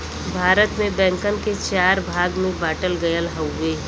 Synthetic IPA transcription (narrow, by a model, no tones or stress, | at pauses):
bʱaːɾət̪mẽbɛ̃ːŋkənket͡ʃaːɾbʱaːɡmẽbaːʈəlɡɐjəlɦɐwːe